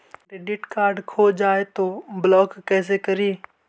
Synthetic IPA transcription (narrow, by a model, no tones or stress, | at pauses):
ɾeːɖɪʈkaːɾɖkʰoːd͡ʒaːet̪oːblɔːkːɛːs̬ekəɾiː